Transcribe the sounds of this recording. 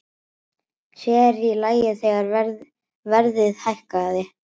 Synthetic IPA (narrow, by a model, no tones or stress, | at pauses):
sjɛɾilaːjɪθɛːɣaɾ | vɛɾðɪðhajhkaːðɪ